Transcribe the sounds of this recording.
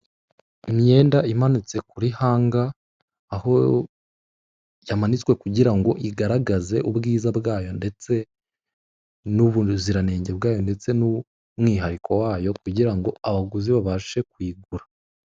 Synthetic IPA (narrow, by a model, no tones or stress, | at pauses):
imɲe̞ːndaimanut͡se̞kuɾihaːŋɡaː | ho̞ | jamanit͡swe̞kuɟiɾaŋɡo̞ʔiɡaɾaɡaze̞ʔubɡiːzabɡaːjo̞nde̞t͡se̞ | nuβuziɾane̞ːɲɟe̞bɡaːjo̞nde̞t͡se̞nu | mŋiːɦaɾikʰo̞waːjo̞kuɟiɾaŋɡo̞aβaɡuziβaβaʃe̞kwiːɡuɾa